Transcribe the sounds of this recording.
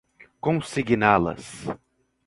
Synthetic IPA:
kõsiɡinalɐ̰s

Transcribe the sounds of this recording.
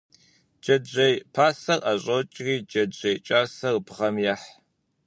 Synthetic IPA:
d͡ʒɐd͡ʒɐjpʰaːsɐrʔɐɕʼot͡ʃʼriːd͡ʒɐd͡ʒɐjt͡ʃʼaːsɐrpʰʁɐmjaħ

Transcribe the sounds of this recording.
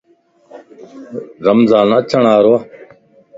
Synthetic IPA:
ɾəmzaːnət͡ʃʰəɳaːɾoː

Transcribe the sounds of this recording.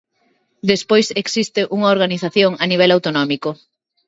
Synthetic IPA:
d̪espojseksist̪ɪʔuŋaoɾɣ̞aniθaθjoŋaniβ̞ɛlawt̪onɔmiko

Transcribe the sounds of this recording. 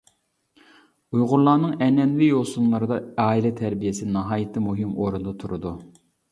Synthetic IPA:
ujʁʊlˠɑːnɨŋɛnɛnwijolˠsunlˠɑɾɨd̪ɑɑːilɛt̪ʰæɾbijesɪnɑɦɑːjɨt̪ʰɨmuɦɪmoɾund̪ɑt̪ʰuɾud̪u

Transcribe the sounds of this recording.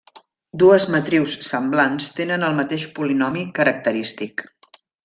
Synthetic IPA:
d̪uəzmət̪ɾiwsːəmblanst̪enənəlˠmət̪eʃpulinɔmikəɾək̚t̪əɾist̪ik

